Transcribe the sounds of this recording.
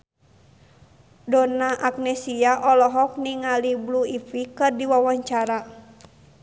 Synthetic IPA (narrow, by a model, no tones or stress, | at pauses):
dɔnaʔak̚nɛsiaʔɔlɔɦɔk̚niŋalibluifikɨrdiwawaɲt͡ʃaɾa